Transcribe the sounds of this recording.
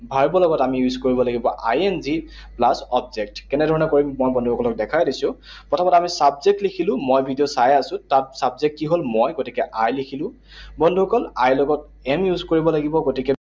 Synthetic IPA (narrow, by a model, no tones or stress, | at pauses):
bʱaɹbɔlɔɡɔtamijuzkoɹibɔlaɡibɔʔa̰jɛnzi | plasɔb̚zɛk̚tkɛnɛdʱɔɹɔnɛkoɹimːojbɔndʱuɔkɔlɔk̚dɛkʰajdisʊ̃ | pɹɔtʰamɔtɛamisabzek̚tlikʰilʊ̃mojbʱidiɔsajasʊ̃tat̚sabzek̚tkiɦolmɔjɡotikɛʔajlikʰilʊ̃ | bɔndʱuɦɔkɔlajlɔɡɔt̚ | ɛmjuzkoɹibɔlaɡibɔɡotikɛ